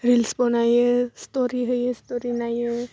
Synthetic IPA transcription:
ɾilsbonajəst̪oɾiɦəjəst̪oɾinajə

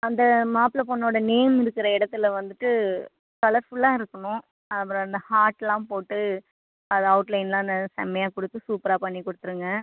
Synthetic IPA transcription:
ɐnd̪ɐmaːplɐpɔɳːoːɽɐneːmɪɾɯkːɪɾɐɪɽɐt̪ːɪlʋɐnd̪ɯʈːɯ | kɐlɐɾfʊɭːãːɪɾɯkːɐɳʊ̃ | ɐpːɐɾɔ̃ɐnd̪ɐhaːɾʈːlãːpoːʈːɯ | ɐðɐɐʊʈlɐɪnlãːɐnd̪ɐsɛ̰mːɐjaːkɔɽɯt̪ːɯsuːpɾaːpɐɳːikɔɽɯt̪ːɯɾɯŋɡɐ

